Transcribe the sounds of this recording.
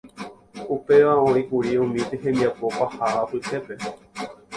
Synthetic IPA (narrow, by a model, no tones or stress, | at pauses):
upe̞ʋaõɾikuɾiũmĩt̪eɦẽnd̪iapo̞pahaʔapɨhe̞pe̞